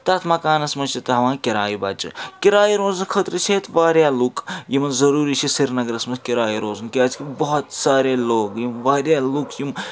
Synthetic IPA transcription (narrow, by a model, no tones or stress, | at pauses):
t̪ɐt̪ʰmɐkaːnɐsmɐnt͡ʃʰit̪ɐɦɐʋãːkʲiɾaːjibɐt͡ʃḭkʲiɾaːjiɾoːzɐnkʰət̪ɾɨt͡ʃʰeːt̪ʋaːɾjalukjimɐnzɐɾuːɾit͡ʃʰisiɾnɐɡɾɐsmɐkʲiɾaːjiɾoːzɐnkiaːt͡ʃkibɐɦɔt̪saːɾeloːkjimʋaːɾjaːlukjim